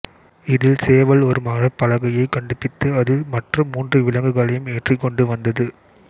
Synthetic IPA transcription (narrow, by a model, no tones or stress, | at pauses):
ɪðɪlseːʋɐɭɔɾɯmɐɻɐpːɐɻɐɣɐjɐɪkːɐɳɖɯpːɪt̪ːɯɐðɯmɐʈrɯmːuːndrɯʋɪɭɐŋɡɯɣɐɭɐjɯmeːʈrikːɔɳɖɯʋɐnd̪ɐðɯ